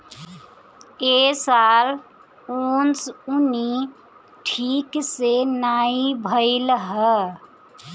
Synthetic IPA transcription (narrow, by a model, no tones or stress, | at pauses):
esal | onsuni | ʈʰiksenaibʱəɪlɦə